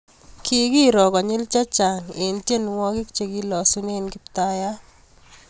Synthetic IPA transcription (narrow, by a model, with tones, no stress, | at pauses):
kʰi˦ɡi˦ɾɔ˨kɔ˨ɲɪ˦lt͡ʃa˦t͡ʃa˨ŋe˨ntje˦n˨wɔ˦kɪ˦kt͡ʃe˨ɡi˦lɔ˨su˦ne˦˨nkɪ˦pta˦ja˦